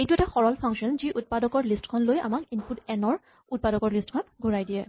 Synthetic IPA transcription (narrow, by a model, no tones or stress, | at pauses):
ejtuɛtaxɔɹɔlpʰaŋkʃɔnziʔut̚padɔkɔɹlistkʰɔnloja̰makinputɛnɔɹ | ut̚padɔkɔɹlistkʰɔnɔtɡʱuɹajdiɛ